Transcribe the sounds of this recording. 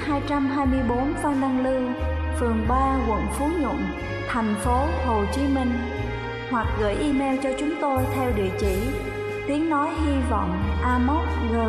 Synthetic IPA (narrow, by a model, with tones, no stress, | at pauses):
haː˧jt͡ɕa˧mɦaː˧jmɨ˧əjɓo˨˦nfa˧wnna˧ŋlɨ˧ | fɨ˨˩əŋɓaː˧kə̰˧˨nfu˨˦ɲʊ̰˧˨n | t̪ʰɛ˨˩jŋ̟fo˨˦ho˨˩t͡ɕi˨˦mï˧ŋ̟ | hwa˨˩k̚ɣə̰ː˧˩jʔi˧mɛ˧wt͡ɕɔ˧t͡ɕʊ˨˦ŋ͡mt̪o˧jt̪ʰɛ˧wɗḭ˧˨ət͡ɕḭ˧˩˨ | t̪i˨˦əŋnɔ˨˦jɦi˧vɔ̰˧˨wŋ͡mʔaː˧mo˦˥t̚ɣəː˨˩